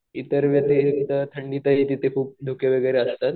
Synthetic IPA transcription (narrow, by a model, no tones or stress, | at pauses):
it̪əɾʋjat̪ekit̪ət̪ʰəɳɖiːt̪əɦit̪it̪ʰekʰuːp̚d̪ʱukjaʋəɡəjɾeəst̪at̪